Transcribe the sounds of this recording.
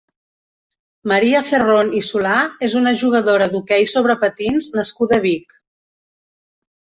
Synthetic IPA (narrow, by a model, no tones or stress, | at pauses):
məɾiəferonisulaezunəʒuɣ̞əðoɾəðukɛjsoβɾəpət̪inznəskuðəβik